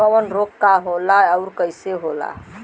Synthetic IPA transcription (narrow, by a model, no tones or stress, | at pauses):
əwənɾokːaɦolaəʊɾkəjseɦola̰